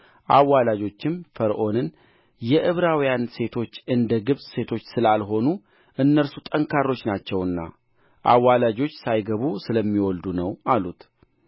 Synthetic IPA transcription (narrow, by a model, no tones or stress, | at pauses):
ʔawːalad͡ʒo̞t͡ʃːɪmfəɾʔo̞nɨn | jɛʔɨβɾawjanse̞t̪ʰo̞t͡ʃːɨnd̪əɡɨβsʼse̞t̪ʰo̞t͡ʃːsɨlalɦo̞nu | ʔɨnːəɾsut̪ʼəŋkʰarːo̞t͡ʃːnat͡ʃːɛwɨnːa̰ | ʔa̰wːalad͡ʒo̞t͡ʃːsajɡəβusɨləmːiwɔld̪unəwalut̪